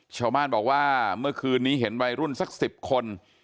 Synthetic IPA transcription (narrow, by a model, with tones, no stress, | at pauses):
t͡ɕʰa˧wbaː˥˩nbɔː˨˩k̚waː˥˩mɯ˥˩ɐkʰɯː˧nːiː˦˥ɦe˩˦nwa˧jɾu˥˩nsa˦˥k̚si˨˩p̚kʰo˧n